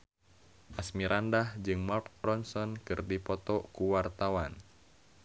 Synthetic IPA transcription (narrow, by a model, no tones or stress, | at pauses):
ʔasmiɾʔandahd͡ʒɨŋmarɔnsɔnkɨrdipɔt̪ɔkuwart̪awan